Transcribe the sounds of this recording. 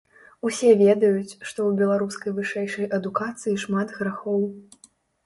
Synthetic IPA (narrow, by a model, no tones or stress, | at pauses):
usʲɛvʲɛd̪ɐjut͡sʲʂt̪ɔwbʲɛlˠaɾuskɐjvɨʂɛjʂɐjʔɐd̪ukat̪sɨjiʂmat̪ɣɾaxɔw